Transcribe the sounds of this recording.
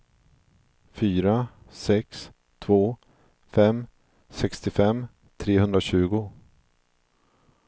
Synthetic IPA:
fyːɾa | sɛks | t̪ʰvoː | fɛm | sɛkst̪ɪfɛmː | t̪ʰɾeːhɵnd̪ɾaɕʉ̟ːɡʊ

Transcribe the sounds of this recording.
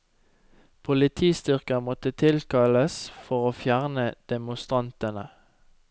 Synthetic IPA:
pʰʊlɪt̪ʰiːst̪ʏʁkəmɔt̪ət̪ʰɪlkɑləsfɔʁoːfjæʁnəd̪̥ɛmʊst̪ʁɑnt̪ənə̰

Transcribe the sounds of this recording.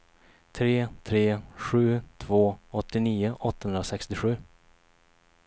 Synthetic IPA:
t̪ʰɾeːt̪ʰɾeːɧʉ̟ːt̪ʰv̥oːɔt̪ːɪniːʊʔɔt̪ːahɵnɾasɛkst̪ɪɧʉ̟ː

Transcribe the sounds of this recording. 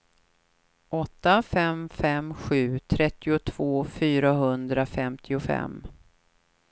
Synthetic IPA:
ʔɔt̪ːafɛmfɛmɧʉ̟ːt̪ʰɾɛt̪ːɪʊt̪ʰv̥oːfyːɾaɦɵnd̪ɾafɛmt̪ʰɪʊfɛ̰mː

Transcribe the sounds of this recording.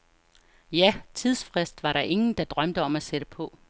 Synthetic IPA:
jæt͡sʰið̞ˠsfʁesd̥ʋɑ̈ɾɑ̈ʔe̝ŋn̩d̥ɑ̈d̥ʁɶm̰d̥əɒ̽mæseɾ̥əpʰɒ̽

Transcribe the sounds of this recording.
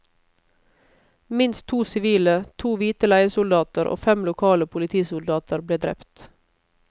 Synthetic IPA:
mɪnst̪ʰuːsɪʋiːlət̪ʰuːʋiːt̪əlæɪəsʊld̪ɑːt̪əɾʔo̰ːfɛmlʊkʰɑːləpʰʊlɪt̪ʰiːsʊld̪ɑːt̪əɾbleːd̪ɾɛ̰pt̪

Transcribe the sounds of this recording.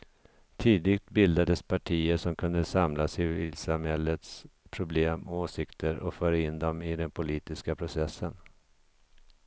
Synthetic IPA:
t̪ʰiːd̪ɪɡt̪bɪld̪ad̪əspʰaʈʰiːəʂɔmkʰɵnd̪əsamlasɪvɪlsamhɛlːət̪spʰɾʊbleːmɔoːsɪkt̪ʰəɾɔfœːɾaɪnd̪ɔmɪd̪ɛnpʰʊliːt̪ɪskapʰɾʊsɛsːən

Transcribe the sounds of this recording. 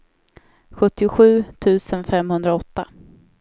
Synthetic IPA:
ɧɵt̪ːɪʊɧʉ̟ːt̪ʰʉ̟ːsənfɛmhɵnd̪ɾaɔt̪ːa

